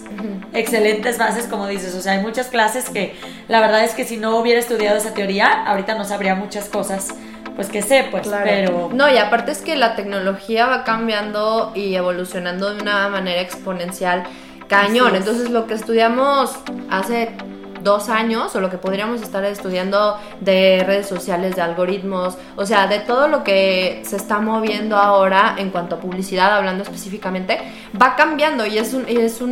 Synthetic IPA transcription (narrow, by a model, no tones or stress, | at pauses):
ekse̞le̞nt̪e̞zfase̞sko̞mo̞ðise̞soseaajmut͡ʃasklase̞ske̞ | laβe̞ɾðaðe̞ske̞sino̞uβje̞ɾaest̪uðjaðo̞es̬at̪eo̞ɾiaa̰oɾit̪ano̞saβɾiamut͡ʃasko̞sas | pwe̞ske̞se̞pwelaɾpeɾono̞iapaɾt̪eeske̞lat̪e̞kno̞lo̞xiaβakambjand̪o̞ie̞βo̞lusjo̞nãnd̪o̞ðeunamãne̞ɾaekspo̞nẽ̞nsjal | kaɲõ̞nent̪o̞ns̬e̞zlo̞ke̞ːst̪uðjamo̞sase̞ | d̪o̞saɲo̞so̞lo̞ke̞po̞ðɾiamo̞s̬e̞st̪aɾest̪uð̞jand̪o̞ | ðe̞re̞ð̞e̞sːo̞sjale̞zðealɣo̞ɾit̪mo̞s | os̬e̞aðe̞t̪o̞ð̞o̞lo̞ke̞sest̪amo̞βje̞nd̪o̞ao̞ɾae̞ŋkwant̪oapuβ̞lisiðaðaβland̪oe̞spe̞sifikament̪e | bakambjand̪o̞ie̞suniesu